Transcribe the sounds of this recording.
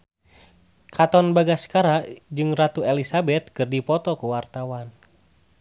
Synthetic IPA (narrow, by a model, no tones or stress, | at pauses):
kʰat̪ɔnbaɡaskaɾaʔd͡ʒɨŋrat̪uɛlisabɛt̪̚kɨrdipɔt̪ɔkuwart̪awan